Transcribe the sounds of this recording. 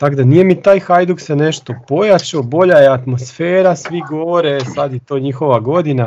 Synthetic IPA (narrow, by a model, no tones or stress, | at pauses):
t̪aɡd̪anije̞mit̪aːjxajd̪uksene̞ʃt̪o̞po̞jat͡ʃobo̞ʎajeat̪mo̞sfeːɾasʋiɡo̞ʋo̞ɾesad̪jet̪o̞ːɲixo̞ʋaɡo̞d̪ina